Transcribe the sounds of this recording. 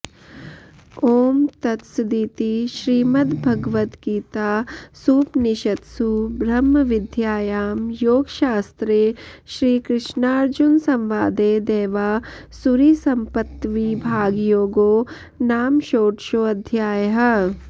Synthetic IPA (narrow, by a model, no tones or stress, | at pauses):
oːmt̪ɐt̪sd̪iːt̪iʃɾiːmɐd̪bʱɐɡʋɐt̪kiːt̪aːsuːpnɪʃɐt̪subʱɾɐmːɐʋɪd̪ʱjaːjaːmjoːɡʃaːst̪ɾeːʃɾiːkɾɪʃnaːɾd͡ʒunsɐ̃mʋaːd̪eːd̪eːʋaːsuɾisɐmpɐt̪ʋibʱaːɡjoːɡoː | naːmʃoːʈʃoːɐd̪ʱjaːjɦɐ̆